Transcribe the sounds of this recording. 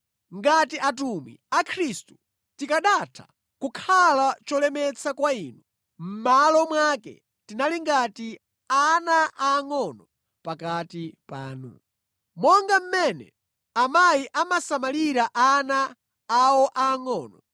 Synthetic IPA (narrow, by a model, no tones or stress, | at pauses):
ŋɡatiʔatumḭakʰɾistu̥ | tikaɗatʰḁ̰ | kukʰalat͡ʃɔlɛmɛt͡sakwaiːnu | m̩malɔmwakɛ̰ | tinaliŋɡati | anaʔaːŋɔnɔ | pakatipa̰ːnṵ | mɔŋɡam̩mɛnɛ̰ | amajiʔamasamaliɾaʔanaː | wɔʔaːŋɔːnɔ